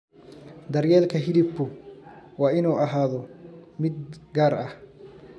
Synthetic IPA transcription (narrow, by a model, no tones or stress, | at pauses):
d̪ɐrjɛːlkʰɐɦɪdɪbʊwɑːɪnuːʔɐɦaːðɔmɪd̪ɡaːɾɐh